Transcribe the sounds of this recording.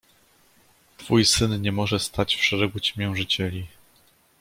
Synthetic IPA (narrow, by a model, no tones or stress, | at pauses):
t̪fujsɘnɲɛmɔʐɛst̪at͡ɕfʂɛɾɛɡut͡ɕmʲjɛw̃ʐɘt͡ɕɛlʲi